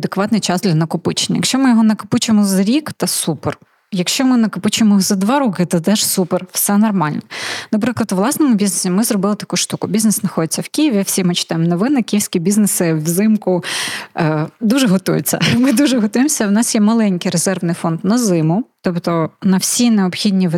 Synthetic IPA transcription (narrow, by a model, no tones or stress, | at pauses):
ɐd̪ekʋɑt̪nɪjt͡ʃɑzd̪lʲɐnɐkʊpɪt͡ʃe̥nʲːɐjɐkʃt͡ʃɔmɪjɔɦɔnɐkʊ̥pɪt͡ʃemɔzɐɾʲikt̪ɐsuper | jɐkʃt͡ʃɔmɪnɐkʊpɪt͡ʃʊemɔzɐd̪ʋɑɾukɪt̪ɐd̪ɛʒsuperwsɛnɔrmɑlʲnɛnɐpɾɪklˠɐt̪ʊʋlˠɑsnɔmʊbʲiznesʲimɪzrɔbɪlˠɪt̪ɐ̥kuʃt̪ukʊbʲiznesnɐxɔd̪et͡sʲːɐwkʲijɪʋʲiwsʲimɪt͡ʃɪ̥t̪ɑjɪmnɔʋɪnɪkʲijɪwsʲkʲibʲiznesɪwzɪmkʊ | d̪uʒɛɦɔt̪ṵjɪ̰t͡sʲːɐ̰mɪd̪uʒɛɦɔt̪ujemsʲɐwnɑsjɛmɐlˠɛnʲkɪjɾezɛrʋnɪjfɔnd̪nɐzɪmʊt̪ɔpt̪ɔnɐwsʲineɔbxʲidʲnʲiʋ